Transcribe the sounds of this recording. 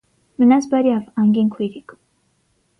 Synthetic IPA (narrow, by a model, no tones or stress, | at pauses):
mənasbaɾjavɑŋɡiŋkʰujɾik